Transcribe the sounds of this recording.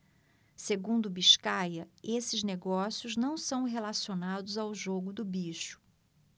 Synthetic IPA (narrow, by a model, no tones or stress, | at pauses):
seɡũnd̪ʊbiʃkajɐesɪzneɡɔsjʊznɐ̃w̃sɐ̃w̃ɦelasionad̪ʊzawʒoɡʊd̪ʊbiʃʊ̥